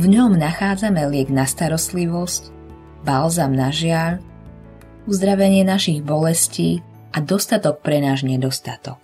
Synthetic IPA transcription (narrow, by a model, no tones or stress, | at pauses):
vɲɔmnaxaːd͡zamɛlɪɛɡnast̪aɾɔst̪liʋɔsc | balzamnaʒɪaʎ | uzd̪ɾaʋɛɲɪɛnaʃiɣbɔlɛsciː | ʔad̪ɔst̪at̪ɔk̚pɾɛnaːʒɲɛd̪ɔst̪at̪ɔk̚